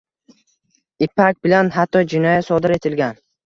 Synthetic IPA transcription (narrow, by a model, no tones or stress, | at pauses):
ɪpʰak̚ʲbɪlanhat̪ʰːɒd͡ʒɪnɒjat̪sɒd̪ɪɾe̞t̪ʰɪlɡʲan